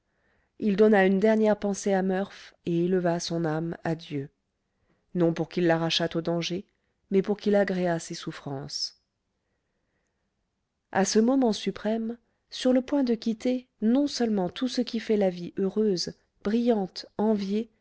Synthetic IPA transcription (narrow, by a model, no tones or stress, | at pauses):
ild̪ɔnaynd̪ɛʁnjɛʁpɑ̃seamœʁfeeləvasɔ̃namad̪jø | nɔ̃puʁkilːaʁaʃat̪od̪ɑ̃ʒe | mɛpuʁkʲilaɡʁeasesufχɑ̃s | a̰səmɔmɑ̃sypχɛm | syʁləpwɛ̃d̪əkʲit̪enɔ̃sœlmɑ̃t̪ʰusəkʲifɛlaviʔøʁøz | b̥ʁijɑ̃t̪ɑ̃vje